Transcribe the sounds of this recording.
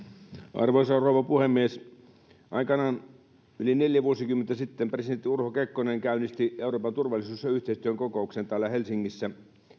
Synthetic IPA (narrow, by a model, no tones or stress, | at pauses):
ʔɑ̰rʋoisɑrouʋɑpuhemːies | ʔɑ̰ikɑnɑn | ylineljæʋuosikymːent̪æsit̪ːempresident̪ːˑiurhokekːoneŋkæynist̪ieuroːpɑnt̪urʋɑlːˑisuːsjɑyht̪eist̪yøŋkokouksent̪æːlːæhelsiŋːisːæ